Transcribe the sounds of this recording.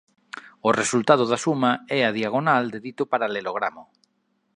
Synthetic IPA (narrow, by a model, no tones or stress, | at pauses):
oresult̪að̞oðasumaɛaðiaɣ̞onald̪eðit̪opaɾaleloɣɾamo